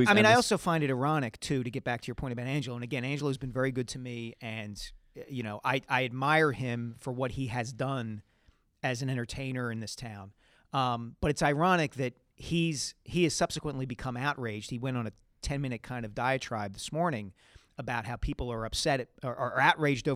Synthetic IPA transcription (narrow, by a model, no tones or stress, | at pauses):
aɪĩnaɔlˠsoʊfãɪ̃ndɨɾɨ˞ɑnɨktʰʉɾɨɡɛt̚b̥æk̚tʰɨjə˞pʰɔ̃ɪ̃əbaʊɾæ̃nd͡ʒl̩ˠə̃nɨɡɛ̃ñæ̃nd͡ʒl̩ˠːzbɨ̃n̩vɛɹiɡʊd̚tʰɨmiɨ̃njɨñoʊʔaɪʔaɪɨd̚maɪə˞ɪ̃ɱfə˞wʌt̚hiɨzdʌ̃n | ɨz̃n̩ɛ̃ɾ̃ə˞tʰẽɪ̃nə˞ɨ̃nðɪstʰãʊ̃n | b̥ʌɾɨtsaɪɹɑñɨk̚ðɨt̚ | hiz̥hiɨz̥sʌb̥sɨkwə̃nʔlibɨkʰʌ̃maʊʔ̚ɹeɪd͡ʒd̥̚hiwɛ̃ɾ̃n̩ɨ | tʰɛ̃nmɪ̃ñɨt̚kʰãɪ̃ndʌvdaɪɨtʰɹ̥aɪb̚ðɨsmɔɹnɪ̃ŋ | əbaʊt̚haʊpʰipl̩ˠə˞ʌpsɛɾəʔə˞aʊʔ̚ɹeɪd͡ʒdoʊ